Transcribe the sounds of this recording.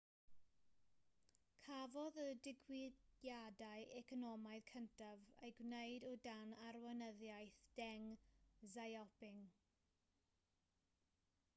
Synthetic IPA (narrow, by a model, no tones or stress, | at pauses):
kʰavɔðədɪɡwɪjadaɨʔɛkʰɔnɔmaɨðkʰəntʰavejɡwnejdɔdanarwənəðjajθd̥ɛŋzajɔpɪŋ